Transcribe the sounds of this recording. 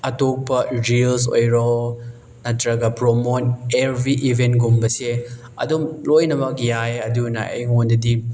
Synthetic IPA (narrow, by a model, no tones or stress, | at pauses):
ɐtok̚pɐɾils̬o̰jɾɔ | nɐtɾɐɡɐpɾomonebɾiʔibʱentɡumbɐse | ɐ̰dumlojnɐmɐk̚jajɐdunɐ̰ʔḛjŋondɐdi